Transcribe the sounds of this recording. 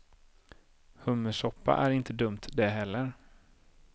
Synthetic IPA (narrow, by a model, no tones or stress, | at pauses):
hɵmːəʂɔpːa̰ʔæɾɪnt̪əd̪ɵmt̪d̪ɛɦɛlːəɾ